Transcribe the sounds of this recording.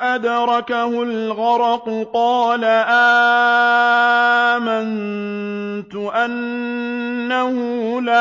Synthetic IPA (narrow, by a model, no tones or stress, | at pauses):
ʔad̪ɾˤɑkahʊlɣɑɾˤɑqʊqɑːlaʔaː | man | t̪ʊʔanː | ahʊ | la